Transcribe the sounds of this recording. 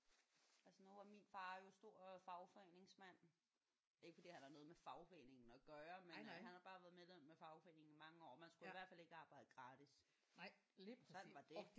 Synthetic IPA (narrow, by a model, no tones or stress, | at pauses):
ælsənuʋɑ̈minfɑ̈ːjo̝sd̥o̝ɐ̰fɑ̈ʊfɒ̽ḛːne̝ŋsmæn̰ | e̝ɡə̥fɒd̥ḭːhænhæɐnɔːð̩ˠmefɑ̈ʊfḛne̝ŋn̩ɒɡ̥ɶːɐmenɦænhɑ̈b̥ɑ̈ːʋæːɐð̞̩ˠmelem̰mefɑ̈ʊfɒe̝̰ːne̝ŋ̩imɑ̈ŋəɒ̰ːmænsɡ̥uiʋæɐ̰̥fæle̝ɡ̥əɑ̈ːb̥ɑ̈ɪ̰d̥əɡ̥ʁɑ̈ːd̥is | sɒ̽n̰ʋɑ̈d̥e̝